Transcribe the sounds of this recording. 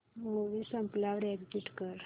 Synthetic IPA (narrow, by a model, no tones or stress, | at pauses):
moʋisəmplaʋɽɛɡd͡ʑiʈkəɾ